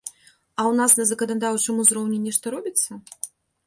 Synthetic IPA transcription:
ɐwnasnɐzɐkɐnad̪awt͡ʂɨmuzɾɔwnʲɛnʲɛʂt̪ɐɾɔbʲit̪sːɐ

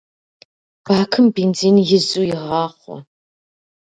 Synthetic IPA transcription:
b̥aːkʰɨmbiːnd͡ziːnjɪzuːjɪʁɑːχʷɔ̰

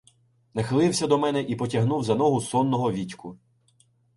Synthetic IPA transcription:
nɐxɪlˠɪwsʲɐd̪ɔmɛnɛʔipɔtʲɐɦnuwzɐnɔɦʊsɔnːɔɦɔʋʲitʲkʊ

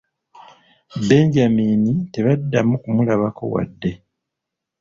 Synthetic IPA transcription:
be̞ɲɟamiːnite̞βadːamukumulaβako̞̰wa̰dːe̞

